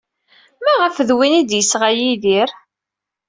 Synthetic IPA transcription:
mæʁəfðwinid̪jəsʁajiðiɾ

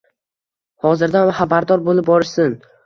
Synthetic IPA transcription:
hɒzɪɾd̪aχabaɾd̪ɒɾbolˠɪp̚bɒɾɪsɪn

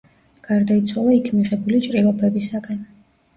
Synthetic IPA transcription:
ɡ̥aɾd̪ait̪sʰwalˠaikʰmiʁɛbulit͡ʃʼɾilˠɔpʰɛbisaɡan

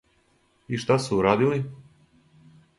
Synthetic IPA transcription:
iʃt̪asuuɾaːd̪ili

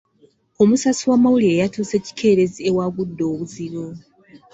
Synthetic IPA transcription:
o̞musasiwaːmawuliejatuːse̞ːci̥kʰe̞ːɾe̞ziewaɡudːo̞ːβuziɾo

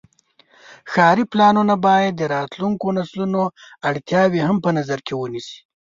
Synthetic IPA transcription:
xɑɾiplɑnunabɑjad̪ːəɾɑt̪luŋkonaslunoaɽt̪jɑwehampənazaɾkʰewənisi̥

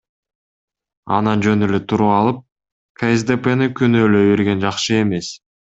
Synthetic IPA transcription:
ɑ̰nɑnd͡ʒø̞nylet̪ʰuɾuɑlˠɯp̚ | kʰaesd̪epenikynøːløjβe̞ɾɡe̞nd͡ʒɑqʃɯe̞me̞s

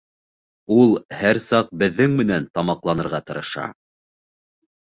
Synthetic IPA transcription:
ulˠhæɾsɑq̚bɘ̆ðːɘŋmɘ̆nænt̪ɑmɑqlˠɑnɤ̆ɾʁɑt̪ɤ̆ɾɤ̆ʃɑ̰

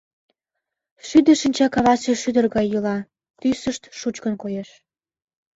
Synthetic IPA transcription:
ʃyd̪əʃənʲt͡ɕɑkɑβɑseʃyd̪ə̆rɣɑjːəlɑ | t̪ysəʃt̪ʃut͡ɕkənkojeʃ

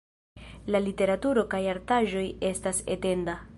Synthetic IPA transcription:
lalite̞ɾatuɾo̞kajaɾtaʒo̞je̞stase̞̰te̞nda

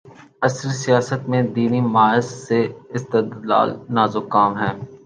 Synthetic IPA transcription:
ɐsɾisijaːsət̪mẽd̪iːnimaːɪzːeɪst̪ɪd̪la̰ːlnaːzʊkaːmɦɛː

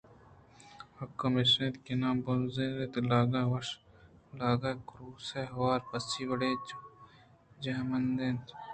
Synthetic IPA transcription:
hɐkːɐmeʃnet̪kenaːmbonzẽːd̪et̪laːɡawɐʂ | laːɡaːkɾuːseɦɐwaːɾpɐsiːwɐɽeː | d͡ʒɐɦmɐnd̪eːnt̪

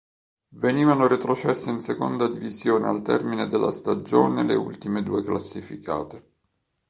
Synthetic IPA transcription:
veniːvanoɾit̪ɾot͡ʃɛsːeinseko̰nd̪ad̪ivizjoːnealt̪ɛ̰rmined̪elːa̰st̪ad͡ʒo̰ːneleṵlt̪imed̪ṵːeklasːifḭkʰa̰ːt̪e

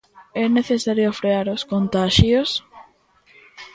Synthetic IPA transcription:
ɛneθesaɾjofɾeaɾoskont̪aʃjos

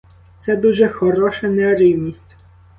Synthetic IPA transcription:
t̪sɛd̪uʒɛxɔɾɔʃɐnɛɾiwnʲisʲtʲ

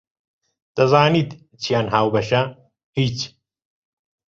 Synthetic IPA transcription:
d̪̥ɐzaːniːd̪ | t͡ʃʰijaːnɦaːwbɐʃɐ | hiːt͡ʃ

